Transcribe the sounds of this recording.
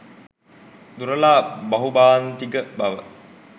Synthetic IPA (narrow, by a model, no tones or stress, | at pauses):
d̪uɾəlaːbɐɦubaːnt̪iɡəbaʋə